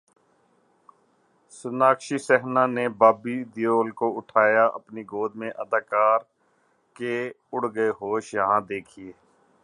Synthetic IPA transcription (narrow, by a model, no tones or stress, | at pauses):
sʊnaːkʃiːsɛɦnãːneːbaːbiːd̪ɪjoːlkoʊʈʰaːjaːʔə̰pniɡoːd̪mẽʔəd̪aːkaːɾ | ke | ʊɽɡəeɦoːʃjəɦãːd̪eːkʰieː